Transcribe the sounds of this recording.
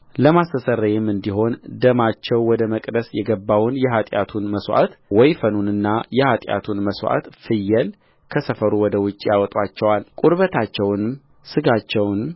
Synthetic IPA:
ləmasəsəɾːajɛmːɨnd̪iɦo̞nd̪əmat͡ʃːɛwːɔd̪əməkʼd̪əsjɛɡəbːawnjɛɦat̪ʼja̰t̪ʰunməswʔa̰t̪wɔjfənunɨnːajɛhat̪ʼja̰t̪ʰunməswa̰t̪fɨjːɛl | kʰəsəfəɾuwɔd̪əwʊt͡ʃʼːijawɔt̪ʼwat͡ʃːɛwalkʼuɾβət̪ʰat͡ʃːɛwnm | sɨɡat͡ʃːɛwnm

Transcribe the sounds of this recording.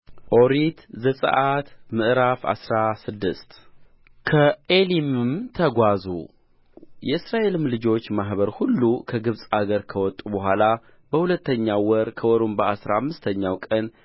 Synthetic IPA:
ʔoɾit̪zəsʼə̰ʔat̪mɨʔɾafa̰sɾasɨd̪ːɨst̪ | kʰəelimɨmt̪ʰəɡʷazṵ | jɛɨsɾaʔe̞lɨmlɨd͡ʒo̞t͡ʃːmaɦβəɾhulːukʰəɡɨβsʼaɡəɾkʰəwɔt̪ʼubəɦʷala | bəhulət̪ʰːəɲːawɔɾkʰəwɔɾumbəasɾaamːɨst̪ʰəɲːawkʼən

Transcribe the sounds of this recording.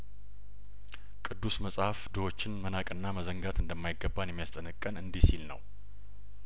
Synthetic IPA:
kʼɨd̪ːusməsʼhafd̪əwo̞t͡ʃːɪnmənakʼɨnːaməzəŋɡat̪ʰɨnd̪əmːajɡːəbːanjɛmːijast̪ʼənɨkʼːənɨnd̪isilnə̰w

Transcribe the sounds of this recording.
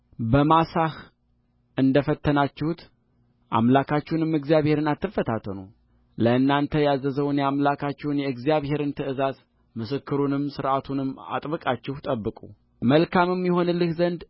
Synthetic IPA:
bəmasah | ʔɨnd̪əfət̪ːənat͡ʃːɪhut̪ | ʔa̰mlakʰat͡ʃːɛwnɨmːɨɡzijaβhe̞ɾɨnat̪ːɨfət̪ʰat̪ʰːənuw | ləɨnːant̪ʰəjazəzəwnjɛamlakʰat͡ʃːɛwnjɛɨɡzijaβhe̞ɾɨnt̪ʰɨʔɨzaz | mɨsɨkːɨɾunɨmsɨɾʔat̪ʰunɨmːa̰t̪ʼbɨkʼat͡ʃːɛht̪ʼəbːɨkʼṵ | məlkʰamɨmjɛho̞nɨlːɨhzənd̪

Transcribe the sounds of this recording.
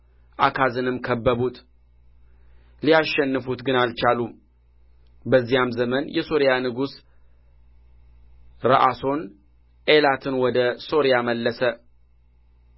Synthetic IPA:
ʔakʰazɨnɨmkʰəbːəβut̪ | lijaʃːɛnːɨfut̪ɡɨnalt͡ʃalum | bəzːijamzəmənjɛso̞ɾijanɨɡus | ɾə̰ʔaso̞n | ʔelat̪ʰɨnwɔd̪əso̞ɾijaməlːəsə

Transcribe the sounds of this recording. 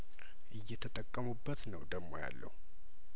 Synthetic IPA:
ʔɨjːɛt̪ʰət̪ʼəkʼːəmubːət̪nəwd̪əɡmːo̰ja̰lːə̰hu

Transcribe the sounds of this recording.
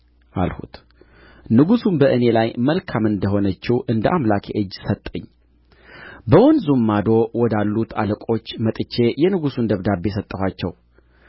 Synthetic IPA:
ʔa̰lhṵt̪ | nɨɡusumbəʔɨne̞lajməlkʰamɨnd̪əɦo̞nət͡ʃːiwʔɨnd̪əʔamlakʰḛʔɨd͡ʒːsət̪ʼːəɲː | bəwɔnzumːad̪o̞wɔd̪alːut̪ʰa̰ləkʼo̞t͡ʃːmət̪ʼɨt͡ʃːe̞jɛnɨɡusund̪əβd̪abe̞sət̪ʼːəhʷwat͡ʃːɛw

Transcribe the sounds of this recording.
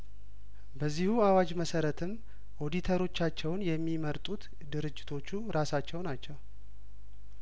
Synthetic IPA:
bəzːihuawad͡ʒməsəɾət̪ʰɨm | ʔo̞d̪it̪ʰəɾo̞t͡ʃːat͡ʃːɛwnjɛmːiməɾt̪ʼut̪ | d̪ɨɾɨd͡ʒːɪt̪ʰo̞t͡ʃːuɾasat͡ʃːɛwnat͡ʃːɛw

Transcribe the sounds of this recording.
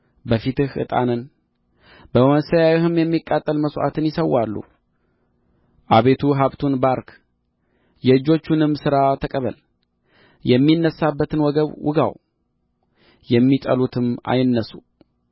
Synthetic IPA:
bəfit̪ɨhʔɨ̰t̪ʼa̰nɨn | bəwnsəjawihɨmjɛmːikʼːat̪ʼːəlməsʔa̰t̪ɨnjɪsəwalːṵ | ʔaβe̞t̪ʰuɦaβt̪ʰunbaɾk | jɛɨd͡ʒo̞t͡ʃːunɨmːsɨɾat̪ʰəkʼəβə̰l | jɛmːinːəsːabːət̪ʰɨnwɔɡəβwʔɨ̰ɡa̰w | jɛmːit̪ʼə̰lut̪ʰɨma̰jɪnːəsu

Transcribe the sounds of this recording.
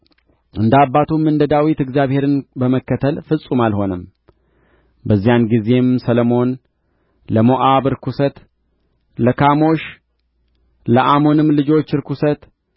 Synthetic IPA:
ʔɨnd̪abːat̪ʰumːɨnd̪əd̪awit̪ɨɡzijaβhe̞ɾɨnbəməkːət̪ʰəlfɨsʼumalho̞nəm | bəzːijanɡize̞msələmo̞n | ləmoʔaβɨɾkʰusət̪ | ləkʰamo̞ʃ | ləʔamo̞nɨmːlɨd͡ʒo̞t͡ʃːɨɾkusət̪

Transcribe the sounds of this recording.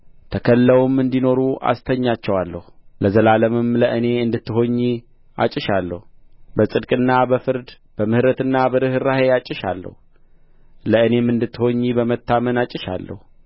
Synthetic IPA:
t̪ʰəkʰəlːəwmɨnd̪ino̞ɾuʔa̰st̪ʰəɲːat͡ʃːɛwalːəhuləzəlaləmɨmləʔɨne̞ɨnd̪ɨt̪ːɨɦo̞ɲːi | ʔa̰t͡ʃʼɪʃalːə̰hubəsʼɨd̪kʼɨnːabəfɨɾd̪ | b̥əmɨhɾət̪ɨnːabəɾɨhɨɾahe̞at͡ʃʼɪʃa̰lːə̰hu | ləɨne̞mːɨnd̪ɨt̪ːɨho̞ɲːibəmət̪ːamənat͡ʃʼːɪʃa̰lːə̰hu

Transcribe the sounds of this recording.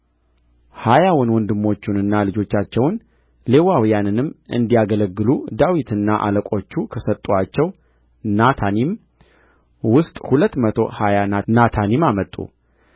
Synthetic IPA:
hajawɔnwɔnd̪ɨmːo̞t͡ʃːunɨnːalɨd͡ʒo̞t͡ʃːat͡ʃːɛwn | lewawijanɨnɨmːʔɨ̰nd̪ijaɡələɡːɨlud̪awit̪ʰɨnːaʔa̰ləkʼo̞t͡ʃːukʰəsət̪ʼːuat͡ʃːɛw | nat̪ʰanim | wʊst̪ʼhulət̪ːmət̪ʰo̞hajananat̪ʰanimamət̪ʼṵ

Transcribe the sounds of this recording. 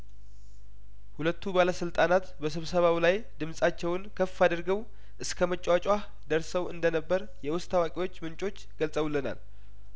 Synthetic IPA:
hulət̪ʰːubaləsɨlt̪ʼanat̪bəsɨβsəβawlaj | d̪ɨmsʼat͡ʃːɛwnkʰəfad̪ɨɾɡəw | ʔɨskʰəmət͡ʃʼːwat͡ʃʼwa | d̪əɾsəwɨnd̪ənəbːəɾ | jɛwʊst̪ʰːawakʼiwo̞t͡ʃːmɨnt͡ʃʼo̞t͡ʃːɡ̥əlsʼəwlːəna̰l

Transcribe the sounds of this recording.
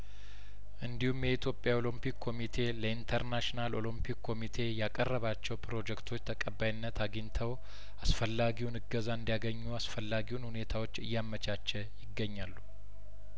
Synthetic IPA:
ʔɨnd̪ihumjɛit̪ʰjo̞pʼjao̞lɨmpikʰːo̞mit̪ʰe̞ləint̪ʰəɾnaʃinalo̞lɨmpʰikkːo̞mit̪ʰe̞jakʼərːəβat͡ʃːɛwpʰɾo̞d͡ʒɛkt̪ʰo̞t͡ʃːt̪ʰəkʼəbːajɪnːət̪ʰaɡint̪ʰəw | asfəlːaɡiwunɨɡəzaɨnd̪ijaɡəɲːuasfəlːaɡiwunhune̞t̪ʰawo̞t͡ʃːɨjːamːət͡ʃʰʼat͡ʃːɛjɪɡːəɲːalːu

